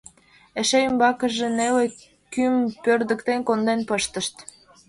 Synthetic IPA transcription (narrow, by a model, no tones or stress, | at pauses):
eʃeymbɑkə̆ʒenele | kympørd̪ə̆kt̪enkond̪enpəʃt̪əʃt̪